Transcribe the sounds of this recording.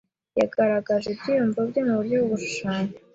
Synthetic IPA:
jaɡaɾaɡaʒebɟijumvab̚ɟomuβuɾjoβuʃu̥ʃaːɲe

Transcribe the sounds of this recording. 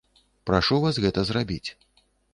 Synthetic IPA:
pɾaʂuvasɣɛt̪ɐzrabʲit͡sʲ

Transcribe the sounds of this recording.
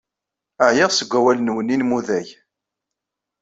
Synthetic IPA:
əʕjəʁsəɡʷæwælənwəninmuðæj

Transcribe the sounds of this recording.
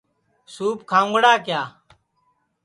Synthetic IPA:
suːp̚kʰãːʊ̃ŋɡɽaːkjaː

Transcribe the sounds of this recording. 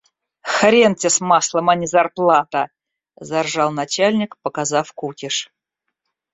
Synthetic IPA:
xɾʲentʲɪsmɑslˠəmanʲɪzɐrplˠat̪ə | zarʐɑlˠnat͡ɕalʲnʲɪkpəkazɑfkukʲɪʂ

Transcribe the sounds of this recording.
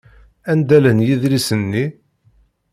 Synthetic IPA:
ænd̪ælənjiðlisənːi

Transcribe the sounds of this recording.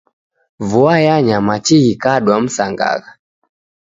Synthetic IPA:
vuajaɲamat͡ʃiɣikaɗwam̩saŋɡa̰ɣa

